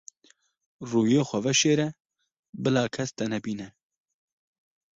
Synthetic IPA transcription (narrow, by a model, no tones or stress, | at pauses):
ruːjeːxʷɛvɛʃeːɾɛ | bɨlɑːkʰɛst̪ɛnɛbiːnɛ